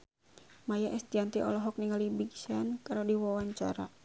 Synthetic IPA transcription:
majaʔɛst̪iant̪iʔɔ̰lɔɦɔk̚niŋalibiɡsankaɾodiwawaɲt͡ʃa̰ɾa̰

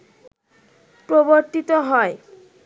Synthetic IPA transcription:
pɾoboɾt̪it̪oɦɔe

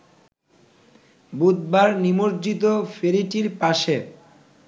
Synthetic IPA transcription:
bud̪̚baɾnimoɾd͡ʑit̪ofeɾiʈiɾpaʃe

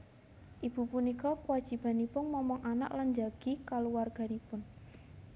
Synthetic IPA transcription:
ʔib̥ṳpunikɔkuwad̥ʒ̥i̤b̥a̤nipʊnmɔmɔŋʔana̰ʔland͡ʒaɡ̥i̤kaluwarɡ̥a̤nipʊn

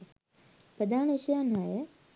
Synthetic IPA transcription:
pɾəd̪aːnəiʃəjanɦajə

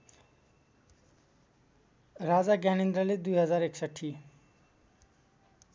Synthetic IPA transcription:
ɾad͡zaɡañend̪ɾaled̪ujɦəd͡zaːɾeksəʈʰːi

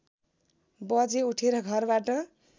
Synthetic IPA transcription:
bʌd͡zeuʈʰeɾʌɡʱʌrbaʈʌ

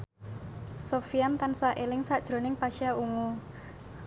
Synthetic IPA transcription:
sofiant̪ansaʔelɪŋsaʔd̥ʒ̥ɾo̤nɪŋpaʃiaʔuŋu

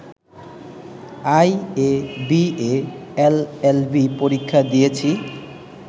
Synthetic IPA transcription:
ajebieelelbipoɾikʰːad̪ijet͡ɕʰi

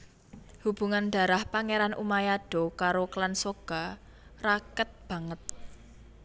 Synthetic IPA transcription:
hub̥ṳŋanɖ̪̥a̤ɾahpaŋeɾanʔṵmajaɖ̥o̤kaɾoklansoɡ̥a̤ | rakət̪̚b̥ä̤ŋət̪̚

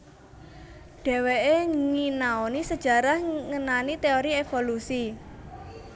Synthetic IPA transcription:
ɖ̥ɛ̤weʔeŋinaonisəd̥ʒ̥a̤ɾahŋənanit̪eoɾiefolusi

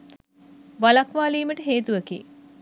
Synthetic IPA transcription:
ʋalakʋaːliːməʈəɦeːt̪uʋəkḭː

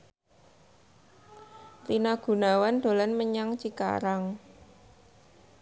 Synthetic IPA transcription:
t̪inaɡ̥ṳnawand̪̥o̤lanməɲaŋt͡ʃika̰ɾaŋ

